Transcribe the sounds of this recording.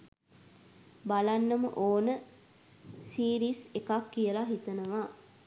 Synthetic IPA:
balanːəmə̰ʔoːnə | siːɾiːsekakːijəlaɦit̪ənəʋa

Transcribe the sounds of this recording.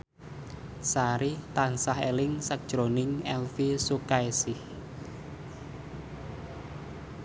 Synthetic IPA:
saɾit̪ansahḛlɪŋsak̚d̥ʒ̥ɾonɪŋɛlfisukaesɪh

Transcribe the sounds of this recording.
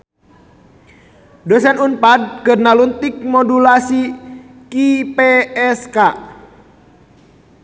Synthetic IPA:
dɔsɛnunpad̪̚kərnalunt̪ik̚mɔdulasi | kipɛɛska

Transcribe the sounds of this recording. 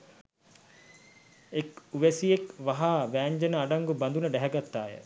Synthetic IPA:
ekuʋæsiekʋaɦaːʋæːɲd͡ʒɐnəaɖɐŋɡubɐnd̪unəɖæɦɛɡat̪ːaːjə̰

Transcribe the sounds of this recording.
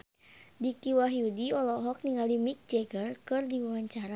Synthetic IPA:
dikiwaɦijudiɔlɔɦɔk̚niŋɡalimik̚d͡ʒɛɡərkɨrdiawaɲt͡ʃaɾa

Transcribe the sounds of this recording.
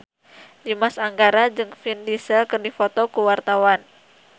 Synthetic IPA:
dimasaŋɡaɾad͡ʒɨŋfindisəlkɨrdifot̪ɔkuwart̪awan

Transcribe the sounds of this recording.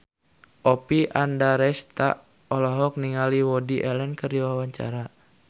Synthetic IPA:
ʔɔpiʔandaɾɛst̪a̰ʔ | ɔlɔɦɔk̚niŋaliwɔdiʔɛlɛnkərdiwawaɲt͡ʃa̰ɾa

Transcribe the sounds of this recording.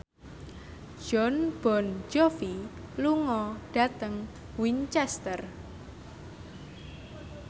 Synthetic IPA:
ʒ̥ɔnb̥ɔ̤nd͡ʒɔfi | luŋɔɖ̥a̤t̪əŋ | wint͡ʃɛst̪ər

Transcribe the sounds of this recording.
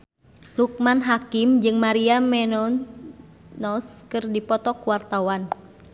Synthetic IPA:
luk̚manɦakimd͡ʒɨŋmaɾiamɛnɔ | nɔskɨrdipɔt̪ɔkuwart̪awan

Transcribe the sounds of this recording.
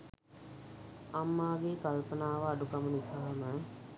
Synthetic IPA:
amːaːɡeːkɐlpənaːʋəaɖukɐmənisaɦəmə

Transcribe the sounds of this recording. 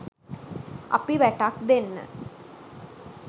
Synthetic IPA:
ɐ̰piʋæʈakd̪enːə̰

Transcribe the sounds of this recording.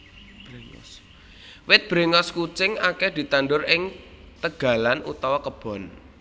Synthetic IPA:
b̥ɾeŋɔ̰s | wɪt̪̚b̥ɾeŋɔskut͡ʃɪŋakɛhd̪̥i̤t̪anɖʊrɪŋ | t̪əɡ̥a̤lanṵt̪awakəb̥ɔ̤n

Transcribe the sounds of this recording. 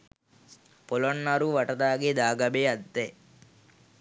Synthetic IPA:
pɔlonːɐɾuʋɐʈɐd̪aːɡed̪aːɡɐbeːɐd̪ːe

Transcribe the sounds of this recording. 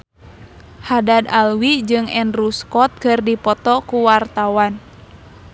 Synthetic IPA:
hadad̪alwid͡ʒɨŋɛnruskɔt̪̚kɨrdipɔt̪ɔkuwart̪awan

